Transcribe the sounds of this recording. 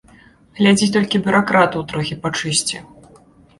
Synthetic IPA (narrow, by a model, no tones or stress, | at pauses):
ɣlʲad͡zʲit̪ɔlʲkʲibʲʊɾakɾat̪uwt̪ɾɔxʲipat͡ʂɨsʲt͡sʲḭ